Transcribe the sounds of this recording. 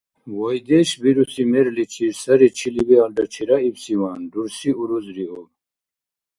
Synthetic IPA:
wojd̪eɕbiɾusimeɾlit͡ɕʰisɐɾit͡ɕʰilibialɖɐt͡ɕʰiɾaibsiwaːnɖuɾsiuɾuzɾiɦo

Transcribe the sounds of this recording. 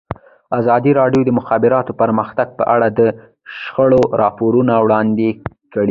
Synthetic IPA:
azɑd̪iɾɑɖjod̪əmʊxɑbɪɾɑt̪opəɾməxt̪aɡ̚pəʔaɽad̪ə | ʃxəɽoɾɑpoɾunawɽɑnd̪e | kəɽi

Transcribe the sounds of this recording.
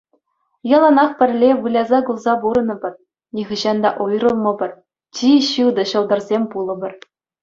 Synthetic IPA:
jɑlˠɑnɑχpʲɘ̆rʲlʲeʋɯlʲɑzɑɡulˠzɑbuɾɤ̆nɤ̆bʲɘ̆r | nʲiʁɤ̆ʑɑnd̪ɑʔujrɤ̆lˠmɤ̆bʲɤ̆r | t͡ɕiɕɯd̪ɤ̆ɕɤ̆lˠd̪ɤ̆rzʲemʲpulˠɤ̆bʲɘ̆r

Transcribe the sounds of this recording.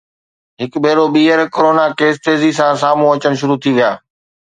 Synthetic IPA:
ɦɪkbʱeːɾoɓiːəɾkoɾoːnakeːst̪eːzisãsaːm̤ũɐt͡ɕəɽ̃ʃʊɾut̪ʰiʋijaː

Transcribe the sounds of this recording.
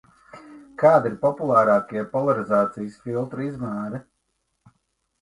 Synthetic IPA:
kaːd̪iɾpɔpulˠaːɾaːkiɛpɔlˠaɾizaːt̪sijsfilˠt̪ɾuizmaːɾɛ

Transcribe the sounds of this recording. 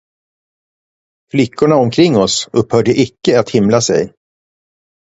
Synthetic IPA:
flɪkːʊɳaɔmkʰɾɪŋːɔsɵphœːɖəʔɪkːəat̪hɪmlasɛ̰j

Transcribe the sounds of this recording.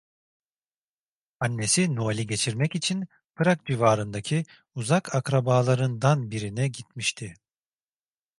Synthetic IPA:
anːe̞sinoalʲiɟe̞t͡ʃʰiɾmɛcit͡ʃʰin | pʰɯɾak̚d͡ʒivaːɾɯnd̪acʰi | uzakʰakɾabaːlˠaɾɯnd̪anbiɾinɛɟit̪miʃt̪ʰɪ

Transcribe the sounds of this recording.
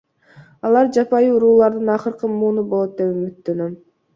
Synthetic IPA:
ɑlˠɑɾd͡ʒɑpɑjuuɾuːlˠɑɾd̪ɯnɑqɯɾqɯmuːnubo̞lˠo̞t̪̚d̪e̞pymyt̪ːønøm

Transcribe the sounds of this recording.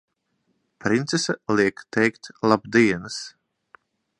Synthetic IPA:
pɾint̪sesaliɛkt̪ɛjkt̪lˠabd̪iɛnɨs

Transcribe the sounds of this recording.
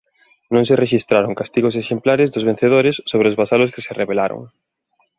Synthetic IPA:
nõŋsereʃist̪ɾaɾoŋkast̪iɣos̬eʃemplaɾɪzðozβen̟θeð̞oɾɪsːoβɾeozβasalʊskɪ̥sereβelaɾo̰ŋ

